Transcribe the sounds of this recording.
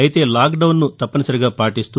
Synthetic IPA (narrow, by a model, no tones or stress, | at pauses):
ɐjit̪e̞ːlaːkɖɐwnːut̪ɐpːɐnɐsɐɾiɡaːpaːʈist̪u